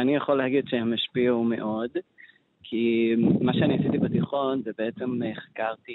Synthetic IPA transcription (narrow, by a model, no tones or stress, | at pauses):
anijaχolehaɡidʃeamaʃpiaume̞̰ʔo̞d | kʰimaʃeaniasit̪ibat̪iχo̞nzebeet͡semχḁkaʁti